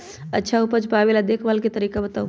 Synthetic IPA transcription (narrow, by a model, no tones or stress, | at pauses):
ətːʃʰaupət͡ʃpaʋelad̪ekʰʋalket̪əɾiːkabət̪au